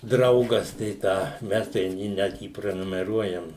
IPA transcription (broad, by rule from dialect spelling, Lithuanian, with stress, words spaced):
ˈdrɐʊɡɐs tɐɪ ˈtɑː ˈmʲɛs tʲɛn ˈjiː ˈnʲɛt jiː pʲrʲɛnʊmʲɛˈruɔjɛm